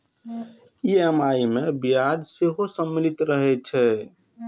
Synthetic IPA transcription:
iemaimebijad̪seɦosəmːilit̪ɾəɦɛt͡ʃʰɛ

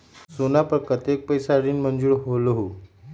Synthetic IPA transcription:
sonapəɾkət̪ek̚pəjsaɽiːnmənd͡zuːɽɦoloɦo

